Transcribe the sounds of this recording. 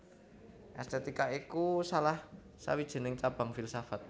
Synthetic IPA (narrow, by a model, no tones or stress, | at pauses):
ʔɛst̪ɛt̪ikaikusalah | sa̰wid̥ʒ̥ə̤nɪŋt͡ʃab̥aŋfilsafat̪̚